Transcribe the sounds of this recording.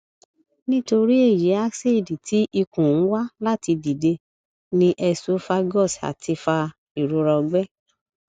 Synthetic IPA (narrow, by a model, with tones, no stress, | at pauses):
nĩ˦to˧ɾi˦e˦˨ji˨˦a˦se˦˨di˨ti˨˦ʔi˧kũ˨ñ̩˨˦wa˦la˦ti˧di˨de˧ | nĩ˧ʔɛ˧so˦fa˧ɡɔ˦˨sa̰˨tʰi˧fa˧ | i˨ɾo˨˧ɾɔ˧ɡ͡bɛ˦